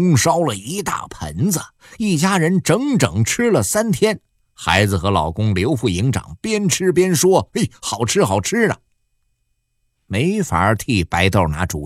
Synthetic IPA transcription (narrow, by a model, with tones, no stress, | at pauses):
ŋʂɑ˥ʊlə˨i˧˥t̪a̰˥˩pʰə̰˧˥nd͡zə˨ | i˥˩t͡ɕja˥ɻə˧˥nʈ͡ʂɤ˧˥ŋʈ͡ʂɤ˨˩ŋʈ͡ʂ̩ʰ˥lə˨sa˥nt̪ʰjɛ˥n | xa˧˥ɪd͡zɹ̩˨˩xɤ˧˥lɑ̰˨˩ʊkʊ˥ŋljo˧˥ʊfu˥˩i˧˥ŋʈ͡ʂɑ̰˨˩ŋpjɛ˥nʈ͡ʂʰɻ̩˥p̬jɛ˥nʂwɔ˥e˥˩xɑ˨˩ʊʈ͡ʂʰɻ̩˥xɑ˨˩ʊʈ͡ʂ̩ʰ˥nɐ̰˨˩ | me˧˥ɪfa̰˨˩˧t̪ʰi˥˩pa˧˥ɪt̪ɑ˥˩ʊna̰˧˥ʈ͡ʂṵ˨˩